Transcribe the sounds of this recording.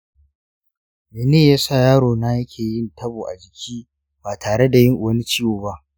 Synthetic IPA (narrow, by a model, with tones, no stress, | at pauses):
meː˨neː˦˨jaː˦sa˦˨jaː˦ɽoː˨na˦jɐ˦kʲʰeː˨jɪ˦ntʰɐ˦boː˨ʔa˨d͡ʒɪ˨kʲʰiː˦ | baː˨tʰaː˨ɽe˦da˨jɪ˦ŋʔwɐ˦ni˦t͡ʃiː˦woː˨ba˦ʔ